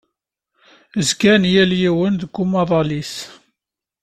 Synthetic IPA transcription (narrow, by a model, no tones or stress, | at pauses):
əzɡænjæljiwənðəɡːumɑðˤɑlis